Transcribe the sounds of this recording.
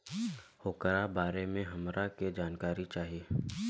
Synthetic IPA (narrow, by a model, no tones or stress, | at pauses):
hoːkəɾabaːɾemẽɦɐmɾaked͡ʒaːnkaːɾit͡ʃaːɦieː